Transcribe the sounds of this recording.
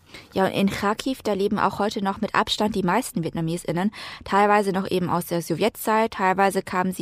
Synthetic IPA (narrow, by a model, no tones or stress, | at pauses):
jaːʊ̰ntʔɪ̰nxaːkʰifd̥aːleːbm̩ʔa̰ʊxhɔʏtənɔχmɪtʔa̰pʃtant̚d̥iːmaɪstn̩vjɛtnameːsɪnəntʰaɪlvaɪzənɔχʔeːbm̩a̰ʊsd̥eːɐzovjɛtt͡saɪt̚tʰːaɪlvaɪzəkʰaːmənziː